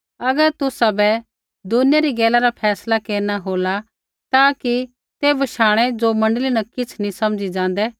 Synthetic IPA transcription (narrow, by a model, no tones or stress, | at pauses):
ɐɡəɾt̪ʊsabɛ | d̪ʊnɪjaɾiɡɛːlaɾapʰɛːslakeːɾnaɦoːla | t̪aːki | t̪eʋɐʃaːɽ̃ed͡ʒomɐ̃ɳɖəlinɐkɪt͡sʰnĩsɐmd͡ʒid͡ʒãːn̆d̪ɛː